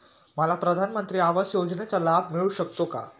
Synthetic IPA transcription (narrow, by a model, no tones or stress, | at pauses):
məlapɾəd̪ʱanmənt̪ɾiːaʋəsjod͡znet͡salab̚ʱmiɭuːɕəkt̪oka̰